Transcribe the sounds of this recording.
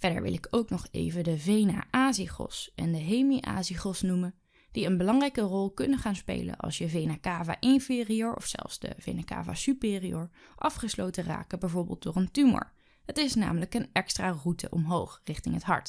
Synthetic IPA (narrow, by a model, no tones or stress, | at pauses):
v̥ɛdə̰ɹʋɪ̰lɪkʰowknɔχḛjvədəvejna̰ːʔaːziχɔ̰sɛndəɦejmiʔa̰ːziχɔsnumə | d̥iənbəlɑŋrɛjkərɔlˠkɵnəχaːnspḛjlə̰nʔɑ̰lˠsəvejnakaːva̰ːʔɪnfɪːrioːɹɔ̰fsɛ̰lˠfzdə̰vḛjnaka̰ːva̰sypɪːrioːɹʔɑfχəslowtəra̰ːkəbɛjvoːɹbɪ̰lˠt̚dʊːrəntymɔ̰ɹ | ɦətɪsna̰ːmələkənɛkstraːrutʰə̰ʔɔmɦowχrɪχtɪŋɦətɦɑ̰ɹt